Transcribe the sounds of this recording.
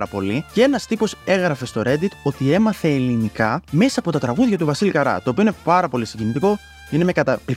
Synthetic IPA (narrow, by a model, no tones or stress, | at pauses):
ɾɐpo̞lice̞nɐst̪ipo̞se̞ɣɾɐfe̞st̪o̞ɾe̞d̪it̪o̞t̪ie̞mɐθe̞ːlinikɐme̞sɐːpo̞t̪ɐt̪ɾɐɣuðʝɐt̪uvɐsilikɐɾɐ̰t̪o̞ːpio̞inepɐɾɐpo̞lisiɟinit̪iko̞ | ine̞me̞kɐt̪ɐi